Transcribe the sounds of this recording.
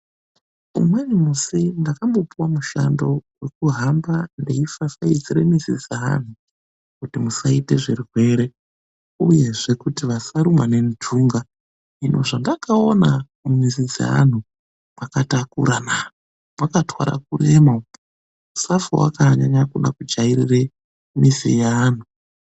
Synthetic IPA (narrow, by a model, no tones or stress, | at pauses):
ṵmwenimusindakambo̞puwamuʃa̰ndo̞we̞kuɦambandeifasaid͡ziɾemizid͡zaa̰n̤u | kutimusaite̞ʐirwe̞ɾe̞ | uje̞ʐe̞kutiʋasaɾumwane̞nduŋɡa | inʔo̞ʐandakaona | mizid͡za̰a̰n̤u | makatakuɾana | makatwa̰ɾa̰kuɾe̞ma | musafowa̰kaɲaɲakunakud͡ʒaiɾire | misḭjaːn̤u